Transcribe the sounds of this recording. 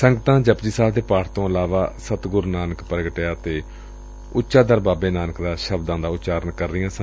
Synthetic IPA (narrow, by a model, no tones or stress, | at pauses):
səŋɡət̪ãːd͡ʒəpd͡ʒiːsaːld̪eːpaːʈʰt̪õːəlaːʋaːsət̪ɡʊɾnaːnəkpɾəɡəʈːjaːt̪eː | ʊtːʃaːd̪əɾbaːbeːnaːnəkd̪aːʃəbd̪ãːd̪aːʊtːt͡ʃaːɾəɳkəɾːɪjãːsə̃